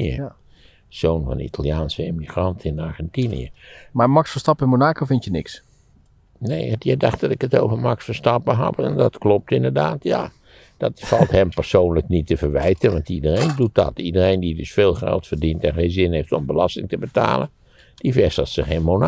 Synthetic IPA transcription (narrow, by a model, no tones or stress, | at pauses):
ə̰ | z̥oːnvɑ̰nḭtʰalˠjaːnsəemiχrɑntʰɪnaɹɣɛntinḭə̰mamɑksfəstɑpɪnmonaːkofɪntjənɪks | nejdjədɑxt̚dɑtɪkətowvəmɑksfərstɑpəɦɑ̰pɛndɑtklɔp̚tɪndərdaːtja̰ | d̥ɑtfɑlˠthɛmpərsoːnləknitəvərʋɛjtənʋɑntidərejndut̚dɑ̰tidərejndidʏsfeːlˠxɛ̰lˠtfərdintɛnχeːnzɪnhejftɔmbəlɑstɪŋtəbəta̰ːlən | d̥ifɛsətsəxenmona